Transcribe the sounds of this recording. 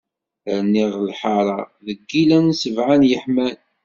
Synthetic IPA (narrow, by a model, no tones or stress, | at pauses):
əɾnːiʁlħɑɾˤɑðəɡːilænsəvʕanjəħmæn